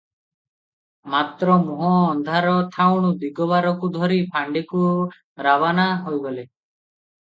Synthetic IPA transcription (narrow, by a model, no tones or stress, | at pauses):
mat̪ɾɔmɔɦɔ̃ːnd̪ʱaɾɔt̪ʰawɽ̃ud̪iɡɔβaɾɔkud̪ʱɔɾipʰaɳɖiku | ɾabanaɦojɡɔle